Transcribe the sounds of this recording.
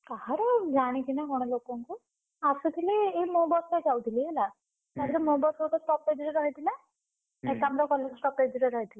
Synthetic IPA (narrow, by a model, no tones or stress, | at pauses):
kaɦaɾɔd͡ʒaɽ̃ikinaɦɔɽ̃ɔlokɔŋku | asud̪iliːmobɔsajd͡ʒawd̪ʱiliela | mad̪ɾemobɔsɔkɔsʈɔpːed͡ʒɾeɾɔɦit̪ʰila | ekamɾakɔlːed͡ʑsʈɔped͡ʒiɾeɾɔɦit̪ila